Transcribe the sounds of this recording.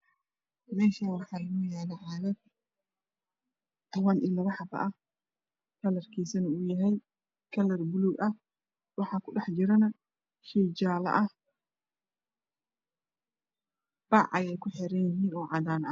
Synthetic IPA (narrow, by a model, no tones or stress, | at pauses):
mɛːʃanwɑħɑːlɐɣujaːlɐʕaːðɐd̪ | t̪ʰɐβɐnʔḭlɐβɐħɑbɐ̰ʔɐh | kʰɐlɐrkʰiːsɐnɐʊjɐɦɛj | kʰɐlɐrbʊluɡʔɐh | wɑħɑːkʰʊɖɑħd͡ʒɪɾɐnɐ | ʃɛjd͡ʒaːlɐ̰ʔɐh | b̥ɑʕɐjɛjkʰʊħɛɾɐnjɪɦiːnɔːʕɑd̪aːnɐ̰